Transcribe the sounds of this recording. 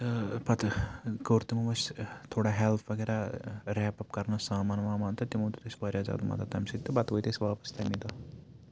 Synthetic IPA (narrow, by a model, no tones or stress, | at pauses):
pɐt̪ʰkɐːɾt̪imɐmɐst̪ʰoːɽaːɦelpʰʋɐɡeːɾaːɾɛːpɐpkɐɾnɐsaːmaːnʋaːmaːnt̪ʰɐt̪imɐːt̪ut̪esʲbɐːɾʲjaːza̰ːd̪umɐ̰ːt̪at̪ɐmsit̪ːɨbɐt̪ʋojt̪esʲʋaːpɐ̥sʲt̪ʰɐmid̪ɐ